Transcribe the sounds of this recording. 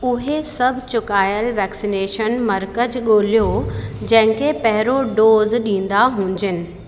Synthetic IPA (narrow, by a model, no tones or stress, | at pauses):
ʊɦesɐbʱɪt͡ɕʊkaːjəlʋɛːksineːʃənmɐɾkəd͡ʑɠoːlijod͡ʑɐ̃ɦɪ̃kʰepɐɦɪɾoɖoːzɗĩːn̆d̪aɦũːɲd͡ʑɪnɪ̆